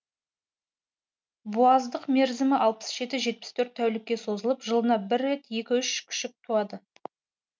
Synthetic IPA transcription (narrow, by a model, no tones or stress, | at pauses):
buɑzd̪əqme̞ɾzɪmɪʔɑlˠpə̥sʒ̥e̞t̪ɪʒe̞t̪̚pɪst̪ʰɵɾt̪ʰːæwlɪkʲːe̞so̞zəlˠəpʒəlˠənɑbɪɾːe̞t̪je̞kʲɪʏʃkʲʰʏ̥ʃɪk̚t̪ʰuɑd̪ə